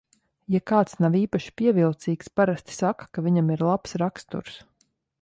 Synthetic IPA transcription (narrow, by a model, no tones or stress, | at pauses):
jakaːt̪snawiːpaʃi̥pʲiɛvilˠt̪siːkspaɾast̪i̥sakḁkavʲiɲamiɾlˠapsɾakst̪ṵɾs